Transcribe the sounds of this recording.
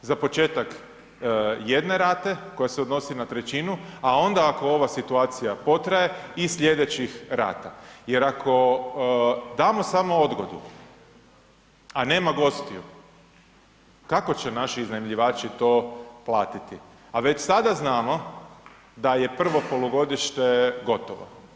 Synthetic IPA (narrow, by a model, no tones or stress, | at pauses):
zapo̞t͡ʃe̞ːt̪ak | je̞d̪ne̞ɾaːt̪e̞ko̞jase̞od̪no̞sinat̪ɾe̞t͡ʃinuao̞nd̪aako̞o̞ʋasit̪uaːt̪sijapo̞t̪ɾaje̞isʎʲe̞d̪et͡ɕixɾa̰ːt̪aje̞ɾakʰo̞ | d̪aːmo̞samood̪ɡo̞̰d̪ṵ | ane̞ːmaɡo̞st̪iju | kako̞t͡ɕenaʃiiznamʎiʋaːt͡ʃit̪o̞ːplˠaːt̪it̪i | aʋe̞t͡ʃsad̪aznaːmo̞ | d̪aje̞pr̩ʋo̞po̞loɡo̞d̪iʃt̪eɡo̞t̪oʋo̰